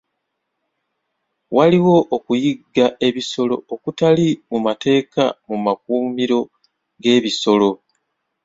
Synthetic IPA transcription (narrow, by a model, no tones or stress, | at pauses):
waliwo̞ʔːkujiɡːaʔe̞βiso̞lo̞̰okutalimumate̞ːka̰mumakuːmiɾo̞ | ɡe̞ːβiso̞lo̞